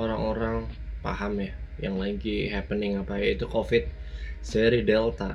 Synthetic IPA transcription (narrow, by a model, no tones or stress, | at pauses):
oɾaŋoɾaŋpa̰ɦamjajaŋlaɡiɦɛpənɪŋapajait̪ukofɪt̪̚sɛɾidɛlt̪a